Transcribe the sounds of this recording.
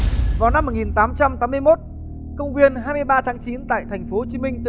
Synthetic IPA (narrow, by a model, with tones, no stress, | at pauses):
vaː˨˩wna˧mːo˨˩t̚ŋi˨˩nt̪aː˨˦mt͡ɕa˧mt̪aː˨˦mɨ˧əjmo˦˥t̚ | kə˧wŋ͡mkwi˧ənɦaː˧jmɨ˧əjɓaː˧t̪ʰaː˨˦ŋt͡ɕi˨˦nt̪a̰ː˧˨jt̪ʰɛ˨˩jŋ̟fo˨˦ho˧˩t͡ɕi˨˦mï˧ŋ̟t̪ɨ̰˧